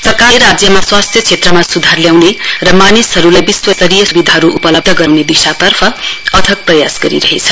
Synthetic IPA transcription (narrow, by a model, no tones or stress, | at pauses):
t͡sʌkaɾad͡zjʌmaswast̪ʰjʌt͡sʰet̪rʌmasud̪ʱarljawnerʌmanisɦʌɾulajbiswʌsʌɾijʌsubid̪ʱaɦʌɾuʔupʌlʌb̚d̪ʱʌɡʌwned̪isat̪ʌrpʰʌʌd̪ʱʌk̚prʌjasɡʌɾḭɾʌɦet͡sʰʌ